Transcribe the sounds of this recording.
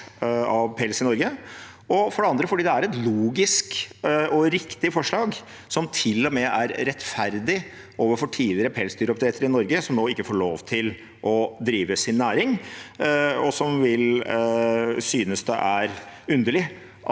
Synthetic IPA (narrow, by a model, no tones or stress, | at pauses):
ɑʋpʰɛlsɪnɔɾɡə | ɔfɔɖɛɑnd̪ɾəfɔɖiːd̪ɛæɾɛt̪luːɡɪskɔɾɪkt̪ɪfɔʂɭɑːɡ | sɔmt̪ʰɪlːɔmɛæɾɾɛt̪ːfæɾd̪ɪ | oːʋəɾfɔʈʰiːlɪəɾəpʰɛːlsd̪yːɾəɔp̚t̪ɾɛːt̪ʰəɾɪnɔɾɡəsɔmnoːɪkːəfoːɭoːʋt̪ʰɪl | ʔɔd̪ɾiːʋəsɪnːæːɾɪŋ | ɔsɔmʋɪl | syːnəsd̪ɛ̰ʔæɾʉnd̪əlɪ